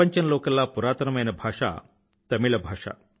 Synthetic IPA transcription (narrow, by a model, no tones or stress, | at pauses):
ɐɲt͡ʃɐnɐlɔːkɐlːaːpuɾaːt̪ɐnɐmɐjnɐbʱaːʂa̰ː | t̪ɐmiɭɐbʱaːʂa̰ː